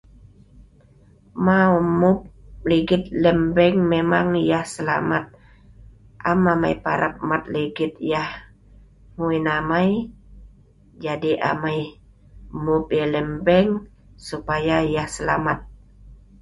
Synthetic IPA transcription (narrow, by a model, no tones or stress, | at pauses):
maumʊp̚liɡɪt̪̚lɛmbɛŋmemaŋjahsəla̰mat̪̚ | ʔamamajpaɾʔap̚mat̪̚liɡɪt̪̚jah | muinamaj | d͡ʒadiʔa̰maj | mʊp̚jalɛmbɛŋ | supajajahsəlamat̪̚